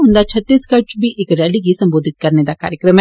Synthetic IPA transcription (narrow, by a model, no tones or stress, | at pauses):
ʊ̃nd̪at͡ʃʰɐt̪ːiːskɐt͡ʃbʱiʔeːkɾɛːlik̬isɐ̃mboːd̪ʱɪt̪̚kɐɾned̪aka̰ːɾjəkɾəm